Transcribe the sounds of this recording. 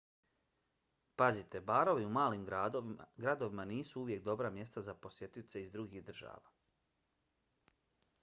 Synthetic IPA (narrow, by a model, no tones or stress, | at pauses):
pazit̪e̞baːɾo̞ʋiumaːlim | ɡɾad̪o̞ʋimaniːsuuʋje̞k̚d̪o̞bɾamje̞st̪azapo̞sjet̪it̪se̞izd̪ɾuɡiɣd̪r̩ʒa̰ːʋa̰ː